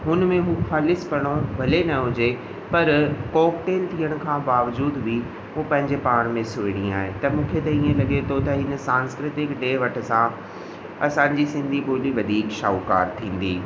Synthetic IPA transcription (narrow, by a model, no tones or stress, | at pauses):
ɦʊnmẽɦũxaːlɪspɐɽ̃obʱɐlenɐɦʊd͡ʑe | pɐɾkɔːk̚ʈeːlt̪ʰiːəɽ̃ʊ̆kʰãbaːʋd͡ʑuːd̪bʱi | ɦũpɐ̃ɦɪ̃ɲd͡ʑepaːɾ̃mẽsʊɪɽ̃ĩaːɦet̪ɐmũːkʰet̪ɐiːẽlɐɠet̪ʰot̪ɐɪnəsãːnskɾɪt̪ɪkɖeːʋɐʈʰə̆sã | ɐsãɲd͡ʑisɪ̃nd̪ʱiboːliʋɐd̪ʱiːkʃaːʊka̰ːɾt̪ʰĩːn̆d̪iː